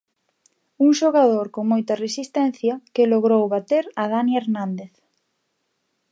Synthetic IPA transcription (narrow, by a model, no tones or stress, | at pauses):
uŋʃoɣaðoɾkoŋmojt̪ɐresist̪ɛnθjɐkeloɣɾowβat̪eɾɐð̞anieɾnãnd̪eθ